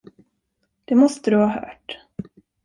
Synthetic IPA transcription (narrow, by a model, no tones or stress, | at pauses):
d̪̥ɛmɔst̪əd̪ɵhɑːɦœ̰ːʈ